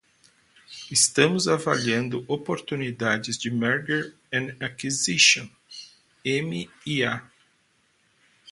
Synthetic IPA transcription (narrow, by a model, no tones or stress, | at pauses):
ɪst̪ɐ̃mʊzavaliɐ̃nd̪ʊʔopoɾt̪unid̪ad͡ʒɪzd͡ʒɪmɛɾɡeɾ | ẽakiziʃõ | ẽmɪia